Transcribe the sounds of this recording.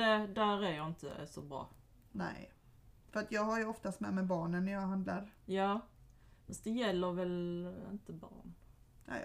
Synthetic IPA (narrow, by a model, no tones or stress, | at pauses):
ɛd̪æɾæɾjɑɪnt̪ʰə̰sɔbɾɑ̰ː | nɛ̰ɪ | fœɾat̪jɑːɡhaɾjʉɔft̪ast̪mɛːmɛbɑːɳənːæjɑɡɦand̪laɾjɑː | fɛsd̪ɛjɛlːəɾʋɛlɪ̰nt̪əbɑ̰ːɳ | nɛ̰